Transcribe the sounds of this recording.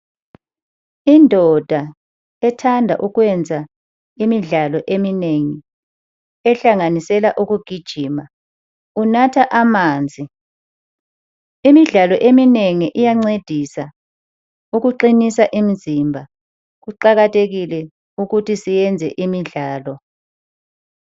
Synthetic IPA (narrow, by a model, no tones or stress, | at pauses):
indʱɔd̥ʱa | ɛtʰandʱa̰ʔuɣwɛnd͡zʱa | imiɮalɔʔemineŋi | ɛɬaŋanisɛlaʔuɣuɡ̥ʱid̥ʒ̥ʱiːma | unatʰaʔamaːnd͡zʱi | imiɮalɔʔemineŋiʔijaŋ͡ǀed̥ʱisa | uɣuǃinisaʔim̩zimbʱa | ɣuǃaɣatʰeɣilɛ | uɣutʰisijɛnd͡zʱɛ̰ʔimiɮaːlɔ